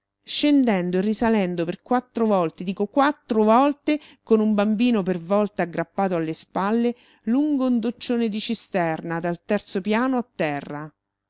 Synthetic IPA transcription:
ʃend̪ɛnd̪oerːisalɛnd̪operkwat̪ːɾovɔlt̪ed̪iːkokwat̪ːɾovɔlt̪ekonumbambiːnopervɔlt̪aːɡːɾapːaːt̪oalːespalːe | luŋɡound̪ot͡ʃːoːned̪it͡ʃist̪ɛrnad̪alt̪ɛrt̪sopjaːnoat̪ːɛrːa

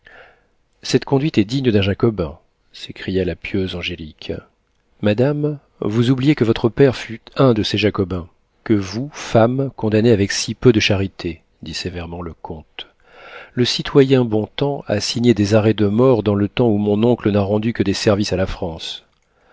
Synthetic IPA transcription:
sɛt̪kɔ̃d̪ɥit̪ɛd̪iɲəd̪ɛ̃ʒakɔbɛ̃ | sekχijalapjøzɑ̃ʒelik | mad̪am | vuzublijekəvɔt̪χəpɛʁfyt̪ɛ̃d̪əseʒakɔbɛ̃ | kəvufamkɔ̃d̪aneavɛksipød̪əʃaʁit̪ʰe | d̪isevɛʁmɑ̃ləkʰɔ̃t̪ | ləsit̪ʰwajɛ̃bɔ̃t̪ɑ̃a̰siɲed̪ezaʁɛd̪əmɔʁd̪ɑ̃lət̪ɑ̃umɔ̃nɔ̃klənaʁɑ̃d̪ykəd̪ɛsɛʁvisalafχɑ̃s

